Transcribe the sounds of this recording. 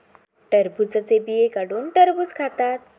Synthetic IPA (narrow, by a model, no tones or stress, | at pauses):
ʈəɾbut͡sət͡sebijekaɽuːnʈəɾbut͡skʰat̪at̪̚